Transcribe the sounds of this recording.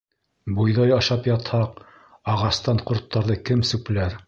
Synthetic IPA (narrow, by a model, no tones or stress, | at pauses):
bujðɑjɑʃɑpjɑt̪hɑq | ɑʁɑst̪ɑɴqŏɾt̪ʰːɑɾðɤkɘmsʉk̆læɾ